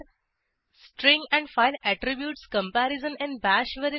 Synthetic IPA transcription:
sʈɾɪ̃ŋɡæ̃ɳɖfaɪlæʈɾibjuːʈskə̃mpæɾɪzə̃nɪ̃nbæʃʋeɾ

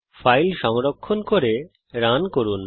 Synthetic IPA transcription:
fajlʃɔŋɾokʰːonkoɾe | ɾankoɾun

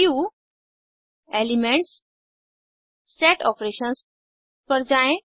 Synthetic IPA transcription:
iu | elimeɳʈs | eʈɔpɾeɕə̃ns | pəɾd͡zaẽ

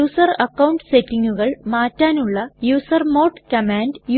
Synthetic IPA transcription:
uːsɐrɐkːɐwɳɖsetːiŋɡuɣɐɭmaːtːaːnuɭːɐjuːsɐrmoːʈkɐmaːndj

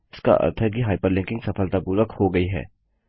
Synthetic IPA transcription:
skɐ̰ʔɐ̰t̪ʰɐɡiɦajpɐɾlẽŋkiŋsɐpʰɐlt̪ɐpuɾɐkhoɡɐjɦɛ̰

